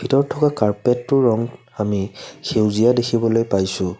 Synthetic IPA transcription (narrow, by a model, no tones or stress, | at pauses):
bʱitɔɹtʰɔkakaɹpetːʊɹɔŋ | amixewzijadekʰibɔlojpajsʊ̃